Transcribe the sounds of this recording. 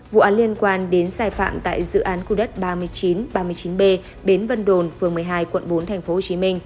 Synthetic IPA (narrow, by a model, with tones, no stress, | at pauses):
vṵ˧˨ʔaː˨˦nli˧ənkwaː˧nɗe˨˦nsaː˧jfa̰ː˧˨mt̪a̰ː˧˨jzɨ̰˧˨ʔaː˨˦nku˧ɗə˦˥t̚ɓaː˧mɨ˧əjt͡ɕi˨˦nɓaː˧mɨ˧əjt͡ɕi˨˦nɓe˧ | ɓe˨˦nvə˧nɗo˨˩nfɨ˨˩əŋmɨ˨˩əjɦaː˧jkwə̰˧˨nɓo˨˦nt̪ʰɛ˨˩jŋ̟fo˨˦ho˨˩t͡ɕi˨˦mï˧ŋ̟